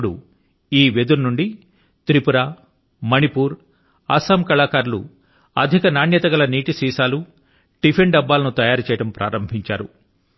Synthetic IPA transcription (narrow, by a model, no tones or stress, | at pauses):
ɽṵ | iːʋed̪uɾnuɳɖi | t̪ɾipuɾaː | mɐnipuːɾ | ɐsɐmkɐlaːkaːɾlṵ | ɐd̪ʱikɐnaːnjɐt̪ɐɡɐlɐniːʈisiːsaːlu | ɖ̥ipʰeɳɖɐbːaːlɐnut̪ɐjaːɾut͡ʃɛːjɐʈɐmpɾʔa̰ːɾɐmbʱiɲt͡ʃaːɾṵ